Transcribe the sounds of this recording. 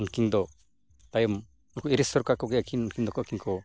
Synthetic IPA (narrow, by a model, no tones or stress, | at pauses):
unkiŋd̪ɔ | t̪ajɔm | unkɔiɾesɔɾkakɔɡɛjakʰinunkind̪ɔkɔkiŋkʰɔ